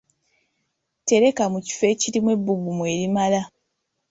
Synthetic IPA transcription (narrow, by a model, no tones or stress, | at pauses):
te̞ɾe̞kamuci̥fe̞ːciɾimwe̞bːuɡumwe̞ːɾimala